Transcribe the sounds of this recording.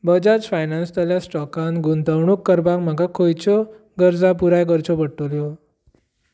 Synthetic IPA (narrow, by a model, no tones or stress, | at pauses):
bəd͡ʑat͡sfajnanst̪əljasʈɔkãnɡunt̪əwɳuːkːəɾbakm̤əɡakʰojt͡ɕɔ | ɡəɾd͡zapuɾajkəɾt͡ɕɔpəɽʈoljɔ